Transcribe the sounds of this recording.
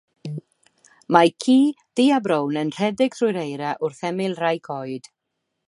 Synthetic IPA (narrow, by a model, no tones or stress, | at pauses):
majkʰiː | ð̥iːabɾownənr̥ɛdɪɡ̥θrʊjɾejɾaʔʊrθɛmɪlˠrajkʰɔɨd̥